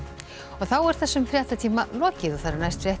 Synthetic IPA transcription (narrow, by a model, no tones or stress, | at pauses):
ɔɣθawɛɾ̥θɛsːʏmfɾjɛht̪at̪ʰiːmalɔːcɪðɔθaɾnajst̪fɾjɛht̪